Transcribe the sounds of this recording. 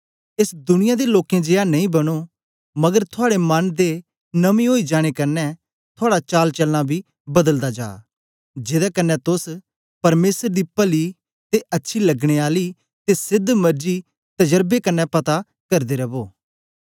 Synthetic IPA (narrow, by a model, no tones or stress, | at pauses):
esd̪ʊnɪ̃jad̪eloːkẽd͡ʒeːanɐ̃ĩbɐɽ̃o | mɐɡəɾt̪ʰʊaːɽemɐnd̪e | nɐmĩɦoːid͡ʒaːɽ̃ekɐnːɛ | t̪ʰoaːɽat͡ʃaːlt͡ʃɐlːãbʱi | bɐd̪əld̪ad͡ʒa̰ː | d͡ʒeːd̪akɐnːɛt̪ʊs | pɐɾmeːsəɾd̪ipɐli | t̪eʔɐtːʃʰilɐɡɽ̃eaːli | t̪esɪd̪ʱːmɐɾd͡ʒi | t̪ɐd͡ʒəɾbekɐnːɛpɐt̪a | kɐɾd̪eɾɐboː